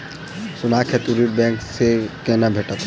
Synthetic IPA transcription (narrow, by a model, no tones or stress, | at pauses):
sunakʰet̪uɾiʈ̚bɛŋksekenabʱeʈat̪ʰe